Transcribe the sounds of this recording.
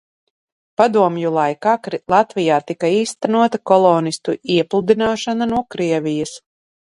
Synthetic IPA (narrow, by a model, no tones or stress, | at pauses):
pad̪uɔmjulˠajkaːkɾlˠat̪vʲijaːt̪ikaiːst̪ænuɔt̪akɔlˠɔːnist̪uiɛplˠud̪inaːʃananuɔkɾiɛvʲijas